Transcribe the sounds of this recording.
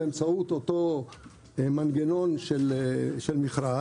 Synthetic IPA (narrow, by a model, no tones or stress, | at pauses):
emt͡saut̪ot̪o | manɡeno̞nʃelʃelmiχɾa